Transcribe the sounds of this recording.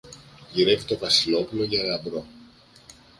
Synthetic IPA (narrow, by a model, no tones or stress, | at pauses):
ʝiɾe̞vit̪o̞vɐsilo̞pulo̞ʝɐlɐmb̪ɾo̞